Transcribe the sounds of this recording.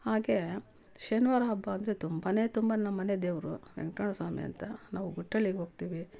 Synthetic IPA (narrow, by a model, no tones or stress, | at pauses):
haːɡeː | ʃenʋaːɾɐɦɐbːɐːnd̪ɐɾet̪umbɐneːt̪umbɐnɐmːɐned̪eːʋɐɾuʋḛŋkɐːɳɐsaːmḭɐ̰nt̪ɐnaːʋuɡuʈːɐɭlːiɡɦoːɡ̚t̪iːʋi